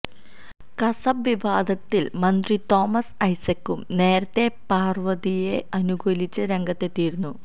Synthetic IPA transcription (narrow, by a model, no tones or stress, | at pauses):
kɐsɐbʋiʋaːd̪ʱɐt̪ːilmɐnd̪rit̪o̞ːmɐsɐjsɐkːumne̞ːɾɐt̪ːe̞paːrʋɐðije̞ɐnuɡʱolit͡ɕːɨɾe̞ŋɡɐt̪ːe̞t̪ːiːɾunːu